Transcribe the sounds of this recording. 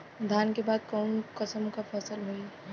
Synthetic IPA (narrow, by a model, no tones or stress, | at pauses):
d̪ʱjaːnkebaːd̪̚kaːnkəsəmkapʰəsəlɦoi